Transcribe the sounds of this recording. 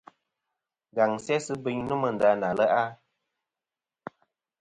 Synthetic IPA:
ɡa˨ŋsjɛ˦sɨ˦bɨ˦ɲnə˦mə˨n̩˨da˧˦na˨lə˦ʔa˦

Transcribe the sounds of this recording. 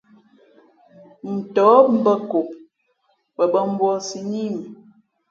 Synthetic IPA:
n̩˨tɔ˨˦m̩˦bə˦ko˨ | pə˨bə˦m̩˦bwɔ˦si˦ɲi˦m˨

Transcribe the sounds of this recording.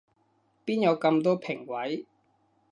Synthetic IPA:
piː˥njɐ˨˧wkɐ˧mt̪ɔː˥pʰɪ˨˩ŋwɐ˨˥j

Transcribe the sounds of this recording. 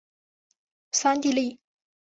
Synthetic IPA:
sa˥nt̪i˥˧li˥˩

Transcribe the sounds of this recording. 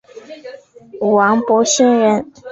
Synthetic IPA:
u˨˩wɑ˧˥ŋpwɔ˧˥ɕɛ˥nɻə˧˥n

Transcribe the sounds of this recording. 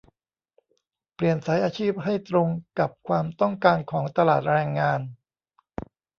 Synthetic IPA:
pli˨˩ənsa˩˦jʔaː˧t͡ɕʰiː˥˩p̚ɦa˥˩jt̪ɾo˧ŋka˨˩p̚kʰwaː˧mt̪ɔ˥˩ŋkaː˧nkʰɔː˩˦ŋt̪a˧laː˨˩t̪̚ɾɛː˧ŋːaː˧n

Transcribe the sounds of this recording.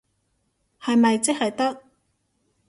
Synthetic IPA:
hɐ˨jmɐ˨jt͡sɪ˥k̚hɐ˨jt̪ɐ˥k̚

